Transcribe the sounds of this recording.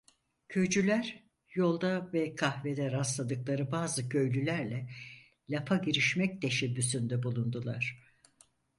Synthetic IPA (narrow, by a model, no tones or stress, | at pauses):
cʰø̞d͡ʒylʲæɾ | jo̞lˠd̪avɛkʰahved̪ɛɾaslˠad̪ɯklˠaɾɯbaːzɯcʰø̞jlʲylʲæɾlʲɛ | lʲapʰaɟiɾiʃmɛc̚t̪ʰe̞ʃɛbːysynd̪ɛbulˠund̪ulˠa̰ɾ̝̥